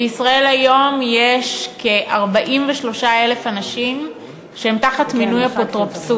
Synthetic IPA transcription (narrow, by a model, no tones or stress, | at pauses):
beisʁae̞lajo̞mjeʃkeʔaʁbaʔimveʃlo̞ʃae̞le̞fanaʃim | ʃehemtaχatminujapotʁopsu